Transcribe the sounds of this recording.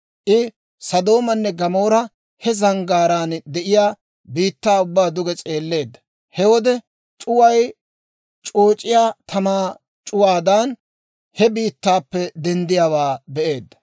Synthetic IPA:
ʔɪ | sɐd̪o̞ːmɐnːɛɡɐmo̞ːɾɐ | hɛzɐŋɡaːɾaːnd̪ɛʔɪjaː | biːt̪ːaːʊbːaːd̪ʊɡɛt͡sʼe̞ːlːe̞ːd̪ːɐ̥ | hɛwɔd̪ɛ | t͡ʃʼʊwɐj | t͡ʃʼoːt͡ʃʼɪjaːt̪ʰɐmaː | t͡ʃʼʊwaːd̪aːn | hɛbiːt̪ːaːpːɛd̪ɛnd̪ɪjaːwaːbɛʔe̞ːd̪ːɐ̥

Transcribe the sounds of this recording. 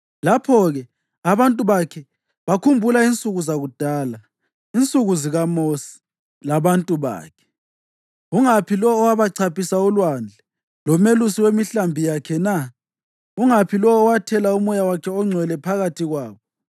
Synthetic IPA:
lapʰɔɣɛ | aβantʼuβakʰɛ | βakʰumbʱulaint͡sʼuɣuzaɣud̥ʱaːla | int͡sʼuɣuziɣamosi̥ | laβantʼuβa̰ːkʰɛ̥ | uŋapʰilɔːwaβaǀʰapʰisaɔlwand͡ɮʱɛ | lɔmelusiwemiɬambʱijakʰɛna | uŋapʰilɔːwatʰɛlaumɔjawakʰɛɔŋ͡ǀʱwɛlɛpʰaɣatʰiɣwaːβɔ

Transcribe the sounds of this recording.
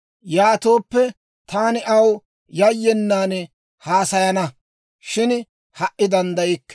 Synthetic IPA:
jaːt̪o̞ːpːɛ | t̪ʰaːnɪʔɐw | jɐjːɛnːaːn | haːsɐjɐnɐ | ʃɪn | hɐʔːɪd̪ɐnd̪ɐjɪkː

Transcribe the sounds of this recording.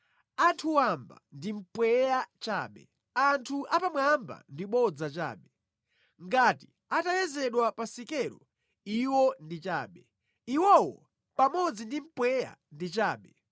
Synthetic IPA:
antʰuwamba̰ndim̩pwɛjat͡ʃa̰ːɓɛ | antʰuʔapamwamba̰ndiɓɔd͡zat͡ʃa̰ːɓɛ | ŋɡati | atajɛzɛɗwapasikɛɾɔ | iwɔndit͡ʃaːɓɛ | iwɔwɔ | pamɔd͡zindim̩pwɛja̰ndit͡ʃaːɓɛ

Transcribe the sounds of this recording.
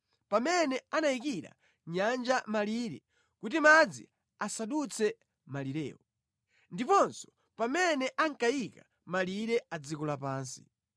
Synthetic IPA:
pamɛnɛanaikiɾa̰ | ɲand͡ʒamaliɾɛ̰ | kutimad͡zḭ | asaɗut͡sʰɛ | maliɾɛ̰ːɔ | ndipɔnsɔ̥ | pamɛnɛʔaŋkajika | maliɾɛad͡zikulapaːnsi̥̰

